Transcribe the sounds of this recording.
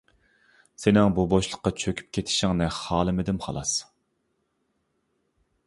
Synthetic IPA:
senɪŋbuboʃlˠəqːɑt͡ʃʰøkʲʰy̥p̚kʲʰet̪ʰɪ̥ʃɪŋnɪχɑːlˠɨmɪd̪ɪmχɑ̰lˠɑs

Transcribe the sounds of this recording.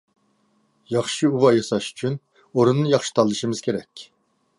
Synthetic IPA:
jɑχʃiuvɑjɑsɑʃy̥t͡ʃʰyn | oɾunːjɑχʃi̥t̪ʰɑlˠːɨʃimɨzkʲʰeɾɛkʲ

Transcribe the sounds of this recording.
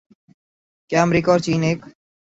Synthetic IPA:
kjaːəmɾiːkaɔːɾt͡ʃiːneːk

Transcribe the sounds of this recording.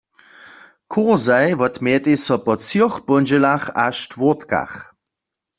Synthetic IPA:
kʰoʁzajʋɔtmjɛt̪esɔpɔt͡siχpɔnd͡ʒɛlaχaʃtvotka̰χ

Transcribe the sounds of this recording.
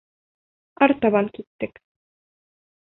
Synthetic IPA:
ɑɾt̪ɑβɑŋkit̪ːɘk

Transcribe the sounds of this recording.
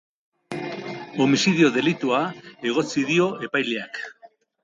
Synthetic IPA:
o̞misiðio̞ðe̞lit̪uae̞ɣ̞o̞t͡siðio̞e̞pajleak

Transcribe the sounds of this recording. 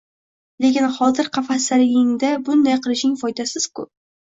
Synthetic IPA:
le̞kʲɪnχɒzɪɾqʰɑfasaɾɪɪŋd̪abʊnd̪ajqʰɨlˠɪʃnɪŋfɒjd̪asɪz̥kʰʊ̰

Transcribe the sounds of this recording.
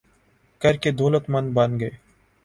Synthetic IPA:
kɐɾked̪oːlət̪mɐ̃nd̪bɐnɡəeː

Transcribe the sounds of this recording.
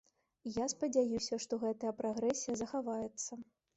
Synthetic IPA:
jaspɐd͡zʲajusʲɐʂt̪ɔɣɛt̪ɐjɐpɾaɣɾɛsʲijɐzɐxavajɛt̪sːɐ

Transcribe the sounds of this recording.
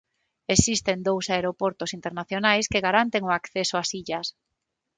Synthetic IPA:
esist̪end̪owsaeɾopoɾt̪ʊsint̪eɾnaθjonajskeɣaɾant̪eŋʊakθesʊasiʎas

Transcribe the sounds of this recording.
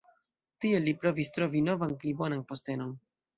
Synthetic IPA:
tie̞lːipɾo̞vistɾo̞vino̞vanplibo̞nanpo̞ste̞no̞n

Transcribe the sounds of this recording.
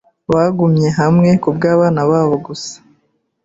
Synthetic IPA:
βaɡumɲe̞ɦamŋe̞kubɡaːβaːnaβaːβo̞ɡusḁ

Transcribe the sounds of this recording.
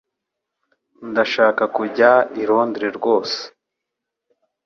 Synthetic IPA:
ndaʃaːkakuɟaiɾo̞ːndiɾeɾɡo̞ːse̥

